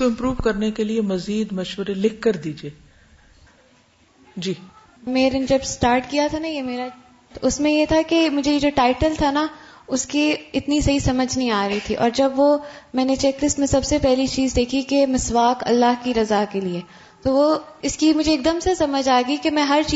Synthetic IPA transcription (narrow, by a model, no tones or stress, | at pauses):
koɪ̃mpɾuːʋkɐɾnekeliemɐziːd̪mɐʃwəɾelɪkʰːɐɾd̪iːd͡ʒieː | d͡ʒiː | meːɾed͡ʒɐbsʈaːɾʈkijat̪ʰanajemeːɾa | t̪ʊsmẽjet̪ʰakemʊd͡ʒʱejed͡ʒoːʈaːɪʈəlt̪ʰanaʊskiɪt̪nisɐɦisɐməd͡ʒʱnəɦĩaːɾɐɦit̪ʰiʔɔ̰ːɾd͡ʒɐbʋomɛ̃ːnet͡ʃɛklɪsʈmẽsɐbsepɛɦlit͡ʃiːzd̪eːkʰikemɪsʋaːkɐ̰lːaɦkiɾɐzakelieː | t̪oʋoɪskimʊd͡ʒʱeːk̚d̪əmsesɐməd͡ʒaːeɡikemɛ̃ɦɐɾt͡ʃː